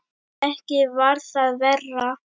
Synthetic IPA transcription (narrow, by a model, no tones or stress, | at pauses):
ɛhcɪvaɾθaðvɛrːa